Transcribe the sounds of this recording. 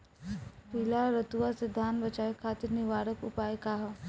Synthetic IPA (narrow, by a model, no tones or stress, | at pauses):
piːlaɾɐt̪uʋased̪ʱaːnbɐt͡ʃaːekʰaːt̪ɪɾniʋaːɾəkʊ̰paːekaːɦ